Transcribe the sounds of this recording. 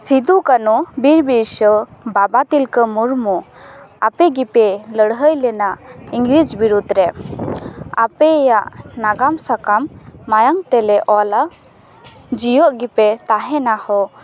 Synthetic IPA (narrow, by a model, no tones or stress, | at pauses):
sid̪ukanubiɾbiɾsəbabat̪ilkəmuɾmu | apɛɡipɛləɽɦəjlɛnaʔiŋɡɾid͡ʒbiɾud̪ɾɛ | a̰pɛːjaʔnaɡamsakamːajaŋt̪ɛlɛʔɔla | d͡ʒijɔʔɡipɛt̪aɦɛnahɔ